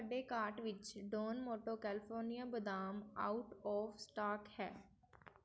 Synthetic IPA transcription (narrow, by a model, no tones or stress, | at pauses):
saːɖeːkaːɾʈʋɪt͡ʃɖoːnmoːʈoːkɛːlɪpʰoːɾnijãːbəd̪aːma̰ːʊʈɔːfsʈaːkhɛ̰ː